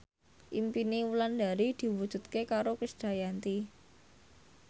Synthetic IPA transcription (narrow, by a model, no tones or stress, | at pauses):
ʔimpiniwulanda̤ɾid̪̥i̤wud̥ʒ̥ṳt̪̚kekaɾokisd̥a̤jant̪i